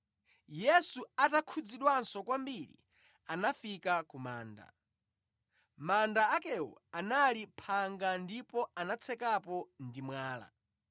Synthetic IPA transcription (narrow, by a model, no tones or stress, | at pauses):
jɛsuatakʰud͡ziɗwansɔkwambiɾḭ | anafikakumaːnda̰ | mandaːkɛɔ̰analipʰaŋɡandipɔanat͡sʰɛkapɔndimwaːla̰